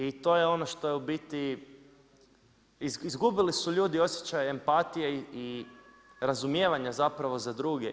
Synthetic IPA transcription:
it̪o̞jeo̞noʃt̪o̞jubit̪i | iizɡubilisuʎuːd̪io̞sje̞t͡ʃajempat̪ijei | ɾazumje̞ːʋaɲazapɾaʋo̞zad̪ɾuːɡḛ

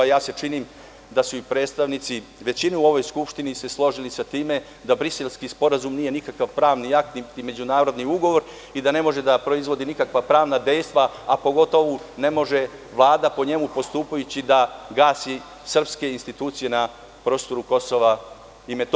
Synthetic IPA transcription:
jaːse̞t͡ʃiniːm | d̪asuipɾe̞ːt̪st̪aʋnit̪siʋe̞t͡ɕinɛuo̞ʋo̞jskupʃt̪inise̞slˠo̞ʒilisat̪iːme̞ | d̪abɾise̞lskispo̞ɾazumniːje̞nikakaʋpɾaːʋniak̚t̪nit̪ime̞d͡ʑunaːɾo̞d̪niuɡo̞ʋo̞ɾ | id̪ane̞mo̞ʒe̞d̪apɾo̞izʋo̞d̪inikakʋapɾaːʋnad̪e̞jst̪ʋaːpo̞ɡo̞t̪o̞ʋune̞mo̞ʒe̞ | ʋlˠaːd̪apo̞ɲe̞mupo̞st̪uːpajut͡ɕid̪aɡaːsi | sr̩pske̞inst̪it̪uːt̪sije̞na | pɾo̞ːst̪o̞ɾuko̞soʋa | imet̪

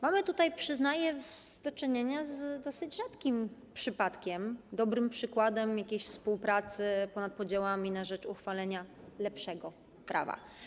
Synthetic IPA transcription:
mamɘt̪ut̪ajpʂɘznajɛzd̪ɔt͡ʂɘɲeɲazd̪ɔsɘd͡ʑʐat̪kʲimpʂɘpat̪kʲɛmd̪ɔbɾɘmpʂɘkwad̪ɛmjakʲejɕfspuwpɾat̪sɘpɔnat̪̚pɔd͡ʑawamʲinaʐɛt͡ʂuxfalɛɲalɛpʂɛɡɔ | kɾa̰va̰

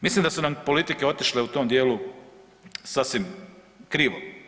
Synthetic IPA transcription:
mislimd̪asunampo̞lit̪ikeo̞t̪iʃleut̪omd̪je̞ːlu | sasʋim | kɾiːʋo̰

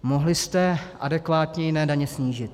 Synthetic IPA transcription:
mo̞ɦlɪst̪ɛʔadɛkvaːt̪ɲɛjɪnɛːdaɲɛsɲiːʒɪt̪

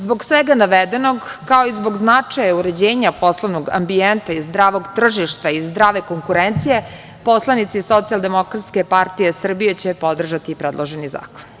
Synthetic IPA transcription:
zbo̞ɡsʋeɡanaʋed̪e̞no̞ɡkaoizbo̞ɡznat͡ʂajauɾe̞d͡ʑeːɲapo̞slˠoʋnoɡa̰mbient̪aizd̪ɾaːʋo̞ɡt̪r̩ʒiʃt̪aizd̪ɾaːʋe̞ko̞ŋkuɾent̪sije̞ | po̞slˠanit̪siso̞t̪sialˠd̪e̞mo̞kɾat̪ske̞paɾt̪ije̞sr̩bijet͡ɕepo̞d̪r̩ʒat̪ipɾed̪lˠoʒeniza̰ːko̥n

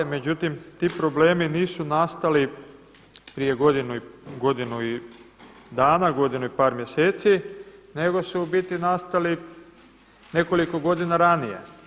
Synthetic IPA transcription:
me̞d͡ʑut̪imt̪iːpɾo̞ble̞ːminiːsunast̪ali | pɾije̞ɡo̞d̪inuiɡo̞d̪inui | d̪aːnaɡo̞d̪inuipaːɾmje̞se̞ːt̪sine̞ɡo̞subit̪inast̪ali | ne̞ko̞liko̞ɡo̞d̪inaɾanijḛ

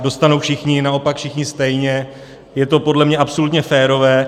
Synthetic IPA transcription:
do̞st̪anowfʃɪxɲɪnao̞pakfʃɪxɲɪst̪ɛjɲɛ | jɛt̪o̞po̞dlɛmɲɛʔapso̞lut̪ɲɛfɛːɾo̞vɛː

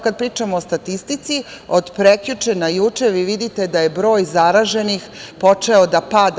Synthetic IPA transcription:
kad̪̚pɾiːt͡ʃamoost̪at̪ist̪it̪sio̞d̪pɾekʎut͡ʃenajut͡ʂeʋiʋid̪it̪e̞d̪ajebɾo̞ːjzaɾaʒe̞nixpo̞t͡ʃe̞od̪apad̪

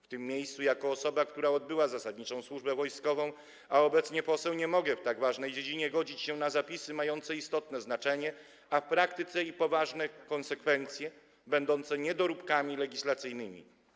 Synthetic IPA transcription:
ft̪ɘmːʲjejst̪sujakɔːsɔbakt̪uɾaɔd̪̚bɘwazasad̪ɲit͡ʂɔ̃w̃swuʐbɛvɔjskɔvɔ̃w̃ | aɔbɛt̪sɲɛpɔsɛwɲɛmɔɡɛft̪aɡvaʐnɛjd͡ʑed͡ʑiɲɛɡɔd͡ʑit͡ɕɕɛnazapʲisɘmajɔnt̪sɛist̪ɔt̪nɛznat͡ʂɛɲɛ | afpɾakt̪ɘt̪sɛipɔvaʐnɛkɔnsɛkfɛnt̪sʲjɛ | bɛnd̪ɔnt̪sɛɲɛd̪ɔɾupkamʲilɛɡʲislat̪sɘjnɘmʲḭ

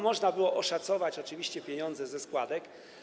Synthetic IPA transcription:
mɔʐnabɘwɔʔɔʂat̪sɔvat͡ɕɔt͡ʂɘvʲiɕt͡ɕɛpʲjɛɲɔnd̪zɛzɛskwad̪ɛk

